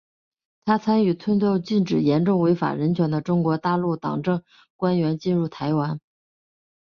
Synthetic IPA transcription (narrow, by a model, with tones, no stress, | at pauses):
t̪ʰa˥t͡sʰa˥ny˨˩t͡sʰwə˥nt͡ɕo˥˧ʊt͡ɕi˥˩nʈ͡ʂɻ̩˨˩jɛ˧˥nʈ͡ʂʊ˥˩ŋwe˧˥ɪfa̰˨˩ɻə˧˥nt͡ɕʰɥɛ˧˥nd̪ə˧ʈ͡ʂʊ˥ŋkwɔ˧˥t̪a˥˧lu˥˩t̪ɑ̰˨˩ŋʈ͡ʂɤ˥˩ŋ | kwa˥nɥɛ˧˥nt͡ɕi˥˧nɻu˥˩t̪ʰa˧˥ɪwa˧˥n